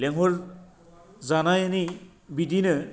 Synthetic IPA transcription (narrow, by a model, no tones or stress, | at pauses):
lɛŋɦɔɹ | zanajani | bidinɯ